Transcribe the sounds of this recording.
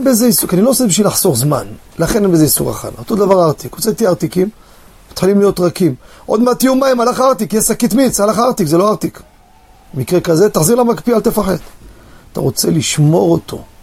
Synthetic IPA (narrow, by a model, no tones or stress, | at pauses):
enbezeisukanilo̞osebiʃvilaħso̞ʁzma̰n | laχenenbezeisṵʁa̰χa̰not̪od̪avaʁaʁt̪ikʁot͡set̪iaʁt̪ikim | mat̪χilimlijo̞t̪ʁakimʔo̞d̪mat̪ijumaimalaχaʁt̪ikjesakit̪mit͡shalaχaʁt̪ikzelo̞aʁt̪ik | bemikʁekaze̞t̪aħziʁlamakpialt̪efaħe̞̰d̪t̪a̰ʁo̞t͡seliʃmo̞ʁo̞t̪o̞̰